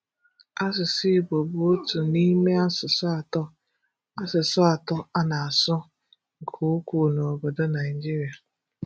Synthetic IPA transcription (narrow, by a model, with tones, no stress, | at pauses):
a˦s̬ɪ˨si˦˨bo˨bʊ˨o˦tu˨ni˦me˦a˦sʊ˨sa˨tɔ˦ | a˦sɪ˨sʊ˦a˨tɔ˦a˦na˨a˨sʊ˦ | ŋ̩˨kʰu˨˦ku˨no˨bʊ˨dʊ˦na˨i˨d͡ʒi˦ɾi˨a˨